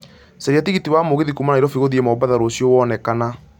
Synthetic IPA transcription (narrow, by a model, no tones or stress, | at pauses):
saɾiatiɣitiwamoɣeðikumanaiɾɔfiɣoðiemɔbaðaɾoːsjɔwɔːnɛkana